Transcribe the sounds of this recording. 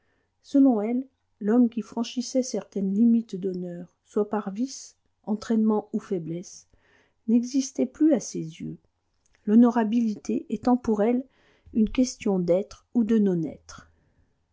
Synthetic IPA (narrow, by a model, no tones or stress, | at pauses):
səlɔ̃ɛlː | ɔmkʲifχɑ̃ʃisɛsɛʁt̪ɛnlimit̪d̪ɔnœːʁswapaʁvis | ɑ̃t̪χɛnmɑ̃ufɛblɛs | nɛɡzist̪ɛplyasezjø̰ | lɔnɔʁabilit̪eʔɛt̪ɑ̃puʁɛl | ynkʲɛst̪jɔ̃d̪ɛt̪χud̪ənɔ̃nɛ̰t̪χ